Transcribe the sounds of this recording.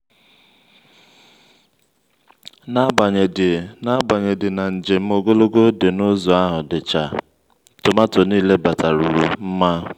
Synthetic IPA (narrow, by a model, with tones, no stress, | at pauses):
na˦ba˨ɲe˨dna˦ba˨ɲe˨dɪ˨na˨n̩˨d͡ʒe˨m̩˦o˨ɡo˦lo˦ɡo˦de˨nʊ˦zo˨a˦ɦʊ˨dɪ˨t͡ʃa˨ | tʊ˨ma˦tʊ˨niː˦le˦ba˨ta˨ɾu˨ɾu˨m̩˦ma˦